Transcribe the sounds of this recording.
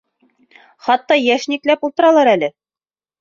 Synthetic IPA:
χɑt̪ːɑjæʃniklæpulˠt̪ɤ̆ɾɑlˠɑɾælɘ

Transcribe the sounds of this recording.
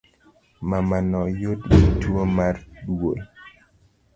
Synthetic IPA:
mamanɔjotɡitwomarɗwol

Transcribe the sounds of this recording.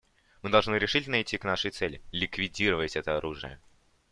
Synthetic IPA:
mɨd̪ɐlˠʐnɨɾʲɪʂitʲɪlʲnəajtʲːiknaʂəjt̪sɛlʲɪlʲɪkvʲɪdʲiɾəvəsʲɛt̪əɐɾʔuʐɨ̰jə̰

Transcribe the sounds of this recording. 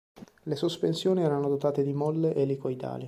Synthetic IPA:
lesospensjoːniɛːɾanod̪ot̪aːt̪ed̪imɔlːeʔelːikoid̪a̰ːli

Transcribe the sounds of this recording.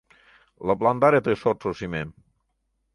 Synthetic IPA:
ləpland̪aɾet̪esɔsosimem

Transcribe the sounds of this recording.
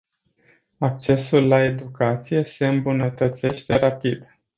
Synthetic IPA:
ak̚t͡ʃe̞sulːae̞d̪ukat̪sije̞se̞ɨmbunət̪ət̪se̞ʃt̪e̞ɾapid̪

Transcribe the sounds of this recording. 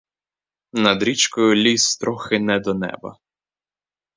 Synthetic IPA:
nɐd̪ɾʲit͡ʃkɔjʊlʲisːt̪ɾɔxɪnɛd̪ɔnɛ̰bɐ̰

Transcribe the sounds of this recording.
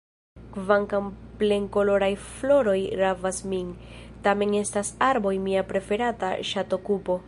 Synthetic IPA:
kvaŋkample̞ŋko̞lo̞ɾajflo̞ɾo̞jɾavasmin | tame̞ŋe̞stasaɾbo̞jmiapɾe̞fe̞ɾata̰ʃato̞kupo̞

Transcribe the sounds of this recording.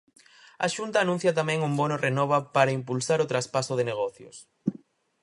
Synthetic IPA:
a̰ʃunt̪aːnũn̟θjɐt̪amɛ̃ŋumbɔnorenɔβɐpaɾaimpulsaɾʊt̪ɾaspasʊðeneɣ̞ɔθjo̰s

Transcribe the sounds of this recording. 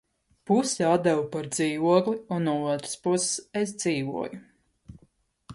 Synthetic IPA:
pusiat̪d̪̚ɛvupaɾd̪ziːvuɔklˠiunːuɔuɔt̪ɾə̥spusses̬d̪ziːvuɔju

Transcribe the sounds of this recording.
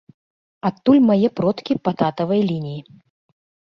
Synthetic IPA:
at̪ːulʲmajɛpɾɔt̪kʲipat̪at̪ɐvɐjlʲinʲiji

